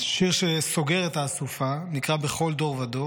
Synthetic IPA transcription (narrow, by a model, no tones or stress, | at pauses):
ʃiʁʃeso̞ɡe̞ʁet̪aːsufanikʁabe̞χo̞ld̪o̞ʁvado